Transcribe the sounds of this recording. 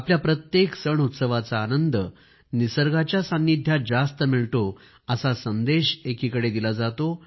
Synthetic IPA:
apljapɾət̪jeksəɳut̪səʋat͡saːnənd̪ə | nisəɾɡat͡ɕjasãnːid̪ʱjad͡zast̪əmiɭʈo | əsasənd̪eɕekikəɽed̪ilad͡zat̪o

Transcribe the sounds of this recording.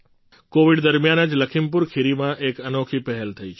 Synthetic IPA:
koʋiɖd̪əɾmjanəd͡ʒləkʰimpuɾkʰiɾimãʔekənokʰipəɦɛlt̪ʰəit͡ʃʰ

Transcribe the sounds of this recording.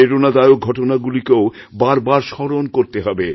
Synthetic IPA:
eɾonad̪ajok̚ɡʱɔʈonaɡulikeobaɾbaɾʃɔɾonkoɾt̪eɦɔbe

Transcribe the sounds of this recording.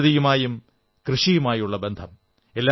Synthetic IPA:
ðijumaːjum | krɨʂijumaːjuɭːɐbe̞nd̪ʱɐm | e̞lːa

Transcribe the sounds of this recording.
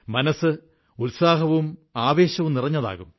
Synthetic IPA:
mɐnɐsɨ | ulsaːɦɐʋumaːʋe̞ːɕɐʋumnirɐɲːɐða̰ːɣum

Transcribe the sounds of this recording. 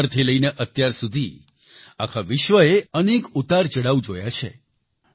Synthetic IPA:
ɾt̪ʰiləineʔət̪jaɾsud̪ʱi | akʰaʋɪʃʋəeənekut̪aɾd͡ʒəɽaʋud͡ʒojat͡ʃʰḛ

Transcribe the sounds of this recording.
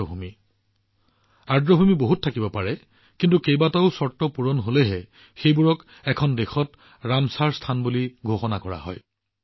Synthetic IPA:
bʱumi | aɹdɹɔbʱumiboɦuttʰːakibɔpaɹɛ | kintukejbataʊsɔɹtːɔpuɹɔnɦolɛɦɛ | xejbuɹɔk | ɛkʰɔndexɔt | ɹamsaɹstʰanbuliɡʱoxɔnakɔɹa̰ɦɔ̰j

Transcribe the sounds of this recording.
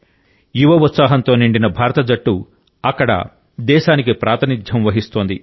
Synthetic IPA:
juʋɐut̪saːɦɐnt̪o̞ːniɳɖinɐbʱaːɾɐt̪ɐd͡ʒɐʈːu | ɐkːɐɽɐ̰ | d̪ɛːʃaːnikipɾaːt̪ʰɐnid̪ʱjɐmʋɐɦist̪oːnd̪i

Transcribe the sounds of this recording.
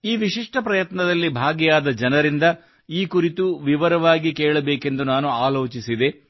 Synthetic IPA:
iːʋiʃiʂʈɐpɾɐjɐt̪nɐd̪ɐlːibʱaːɡjjaːd̪ɐd͡ʒɐnɐɾind̪ɐ | iːkuɾit̪uʋiʋɐɾɐʋaːɡikɛːɭɐbeːke̞nd̪unaːnuaːlo̞ːt͡ʃisid̪e̞

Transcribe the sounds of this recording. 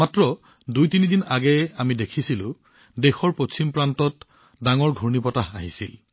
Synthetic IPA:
matɹɔ | dujtinidinaɡɛamidekʰisilʊ̰̃ | dexɔɹposimpɹantɔt | daŋɔɹɡʱuɹnipɔtaɦaɦḭsil

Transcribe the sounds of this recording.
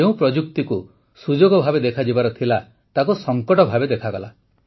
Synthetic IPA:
eũpɾɔd͡ʒukt̪iku | sud͡ʒoɡɔbʱabed̪ekʰad͡ʒibaɾɔt̪ʰila | t̪akusɔŋkɔʈɔbʱabed̪ekʰaɡɔla̰

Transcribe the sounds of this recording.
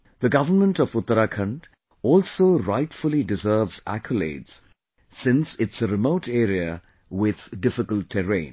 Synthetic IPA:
ð̥əɡʌvənmə̃ntɔvʊt̪ːəɾakʰə̃nd | ɔlsoɾaɪʈfʊl̩ˠidɪzɜːvzæ̰kʰəlḛɪdz̥ | sɪ̃nsɪtsəɾɪmoʊʈeɾiə | wɪð̥dɪfɪkəltʰːɛɹẽɪ̃n

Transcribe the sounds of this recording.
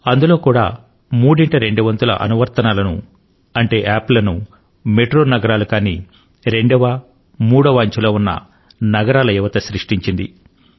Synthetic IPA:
ɐnd̪ulo̞ːkuːɽa̰ː | muːɽiɳʈɐɾe̞ɳɖuʋɐnt̪ulɐ̰ʔɐ̰nuʋɐɾt̪ɐnaːlɐnṵ | ɐɳʈe̞ːʔaːplɐnu | me̞ʈɾoːnɐɡɐɾaːlukaːnḭː | ɾe̞ɳɖɐʋɐ | muːɽɐʋɐːɲt͡ʃulo̞ːunːɐ̰ | nɐɡɐɾaːlɐjɛʋɐt̪ɐsɾiʂʈiɲt͡ʃind̪ḭ

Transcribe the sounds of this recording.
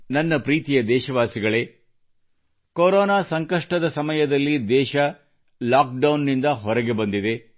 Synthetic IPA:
nɐnːɐpɾiːt̪ijɐd̪ɛːʃɐʋaːsiɡɐɭe̞ː | koɾoːnaːsɐŋkɐʂʈɐd̪ɐsɐmɐjɐd̪ɐlːid̪ɛːʃɐ | laːk̚ɖɐwnːind̪ɐɦɔɾɐɡe̞bɐnd̪id̪e̞

